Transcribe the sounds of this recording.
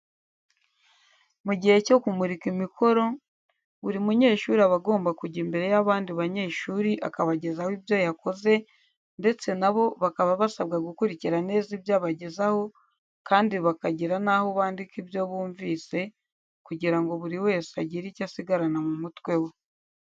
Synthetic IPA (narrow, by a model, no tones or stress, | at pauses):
muɟihe̞co̞kumuɾikimikʰo̞ɾo̞ | βuɾimuɲe̞ːʃuːɾiaβaɡo̞ːmbakuɟiːmbe̞ɾe̞jaβaːndiβaɲe̞ːʃuːɾiʔa̰kaβaɟe̞zahwiβjo̞jako̞ze̞ | nde̞t͡se̞naβo̞βakaβaβasaβɡaɡukuɾiciɾane̞ːziβjaːβaɟezaho̞ | kaːndiβakaɟiɾanaho̞βaːndikiβjo̞βuːɱviːse̞ | kuɟiɾaŋɡo̞βuɾiwe̞ːseaɟiɾicasiɡaɾanamumutwe̞we